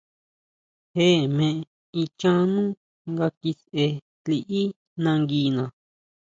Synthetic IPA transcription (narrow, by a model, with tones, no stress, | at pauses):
he˦˨mẽ˧ʔe˧ | i˧t͡ʃã˦nũ˦ | ŋɡa˧ki˧se˧ | ti˧ʔi˦ | nã˧ŋɡiː˧nã˨